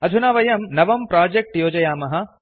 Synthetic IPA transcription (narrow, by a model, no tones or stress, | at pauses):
ɐd͡ʒ̪ʱunaːʋɐjɐmnɐʋɐmpɾaːd͡ʒek̚ʈjoːd͡ʒɐjaːmɐɦɐ